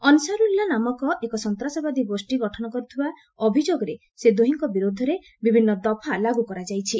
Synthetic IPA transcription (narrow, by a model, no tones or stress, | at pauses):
ɔnsaɾuilːanamɔkɔʔekɔsɔnt̪ɾasɔbad̪ʱibosʈiɡɔʈʰɔnɔkɔɾit̪ʰiba | ɔbʱid͡ʒoɡɔɾe | sed̪oɦiŋkɔbiɾod̪ʱɔɾe | bibʱinːɔd̪ɔpʰalaɡukɔɾad͡ʒajt͡ʃʰi